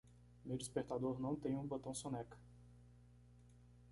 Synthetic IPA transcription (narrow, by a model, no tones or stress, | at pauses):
mewd͡ʒispeɾt̪ad̪oɾnɐ̃w̃t̪ẽj̃ũbot̪ɐ̃w̃sõnɛkɐ̥